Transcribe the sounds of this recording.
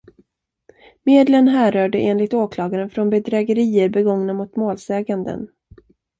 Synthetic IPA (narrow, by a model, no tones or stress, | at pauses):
meːd̪lənɦæːɾœːɖəʔeːnlɪɡ̚t̪oːkʰlɑːɡaɾənfɾɔnbɛd̪ɾɛːɡəɾiːəɾbɛɡɔŋnamʊt̪moːlsɛːɡand̪ə̰n